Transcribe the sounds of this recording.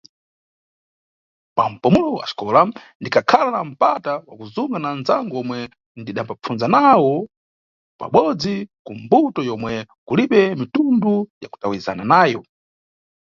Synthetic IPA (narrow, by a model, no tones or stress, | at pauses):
pam̩pumulɔwa̰ʃkɔːlandikʰakʰalanam̩patawakuzuŋɡananzaŋɡɔmwɛ | ndiɗampap͡fund͡zanawɔ | pa̰ɓɔd͡zikumbutɔjɔmwɛkuliɓɛmitundujaku̥tawiiza̰nanaːjɔ